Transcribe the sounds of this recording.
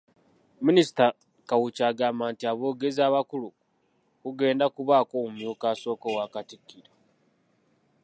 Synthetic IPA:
minisi̥ta | kawut͡ʃaːɡaːmaːntiaβo̞ːɡe̞ziaβakulu | kuɡe̞ːndakuβaːko̞mumjuːkaːso̞ːkowakatikːiɾo

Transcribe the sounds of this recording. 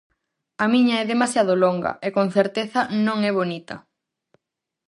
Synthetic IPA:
ɐmiɲɐɛðemasjað̞oloŋɡɐ̰ekonθeɾt̪eθɐnõŋɛβ̞onit̪ɐ

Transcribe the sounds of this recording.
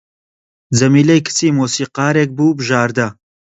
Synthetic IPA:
zɐmiːlɐjkʰɨ̥t͡siːmoːsiːqɑːɾeːk̚buːbɨʒaːɾd̪ɐ

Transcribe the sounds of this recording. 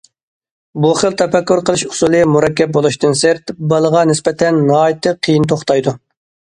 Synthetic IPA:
buχəlˠt̪ʰɛfɛkʲːuɾqʰəlˠɨʃu̥sulˠɨmuɾɛkʲːɛp̚bolˠuʃt̪ɨnseɾt̪bɑlˠəʁɑnɪspɛt̪ʰɛnːɑːjit̪ʰɨqʰijint̪ʰoχt̪ɑjd̪u

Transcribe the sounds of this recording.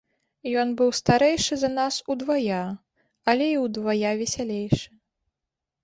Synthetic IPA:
jɔnbɨwst̪aɾɛjʂɨzɐnasud̪vaja | ɐlʲɛiwd̪vajavʲɛsʲalʲejʂɨ

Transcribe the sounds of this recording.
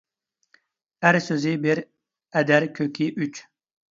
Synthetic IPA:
æɾsøzibiɾ | æd̪ɛɾkʰøkʲiʔyt͡ʃ

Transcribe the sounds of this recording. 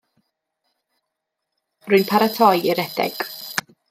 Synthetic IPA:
rʊɨnpʰaɾatʰɔjɪɾɛd̥ɛ̰ɡ̥

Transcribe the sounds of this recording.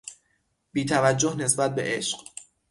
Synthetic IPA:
biːt̪ʰævæd͡ʒːohne̞sbæt̪̚be̞̰ʔeʃɢ̥

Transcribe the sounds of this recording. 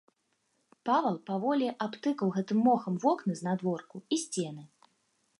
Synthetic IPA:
pavɐlˠpavɔlʲiʔapt̪ɨkɐwɣɛt̪ɨmːɔxɐmvɔknɨznad̪vɔrkuisʲt͡sʲɛnɨ

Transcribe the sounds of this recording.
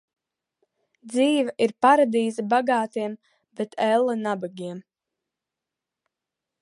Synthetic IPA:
d̪ziːvɐʔiɾpaɾad̪iːzabaɡaːt̪iɛm | bet̪ʰɛlˠːanabaɡʲiɛm

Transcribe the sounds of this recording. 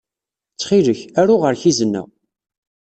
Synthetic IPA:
t͡sːχiləçæɾʊʁəɾçizənːæ̰

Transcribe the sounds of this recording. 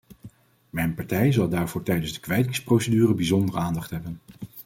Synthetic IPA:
mɛjnpɑɹtɛjzɑlˠdaːɹvʊːɹtɛjdənzdəkʋɛjtɪŋsprowsedyːrəbizɔndərəaːndɑχtɦɛbən

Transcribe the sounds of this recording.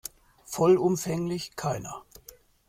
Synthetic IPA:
fɔlʊmfɛŋlɪçkʰaɪnɐ

